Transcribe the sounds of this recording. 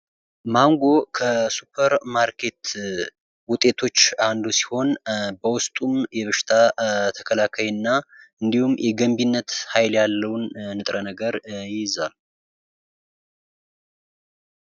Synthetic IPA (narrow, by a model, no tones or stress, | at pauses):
maŋɡo̞kʰəsupʰəɾmaɾkʰe̞t̪ | wʊt̪ʼːe̞t̪ʰo̞t͡ʃːand̪usi̥ho̞nbəwʊst̪ʼumjɛβɨʃɪ̥t̪ʰat̪ʰə̥kʰəlakʰajnːaɨnd̪ihumjʔɛɡəmbinːət̪hajljalːəwnːɨt̪ʼɾənəɡəɾjɪzal